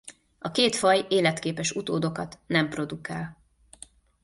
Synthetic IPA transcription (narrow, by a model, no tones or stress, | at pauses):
ɒkeːt̪fɒjeːlɛt̪keːpɛʃut̪oːd̪o̞kɒt̪nɛmpro̞d̪ukaːl